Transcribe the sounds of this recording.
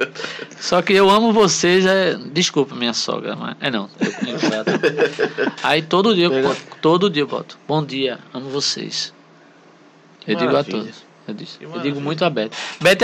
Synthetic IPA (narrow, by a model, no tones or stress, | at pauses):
sɔkɪewɐ̃mʊvosezɛd̪iskupɐmĩɲɐsɔ̰ɡɾɐ̰ma̰ɛ̰nɐ̃w̃ḛwkekad̪ | ait̪od̪ʊʊd̪iɐt̪od̪ʊʊd̪iɐewbɔ̰t̪ʊ̥bõd̪iɐɐ̃mʊvosḛs | ewd̪iɡʊat̪od̪ʊs | ewd̪isewd̪ĩɡʊmũj̃t̪ʊabɛht̪ʊ̥bɛt̪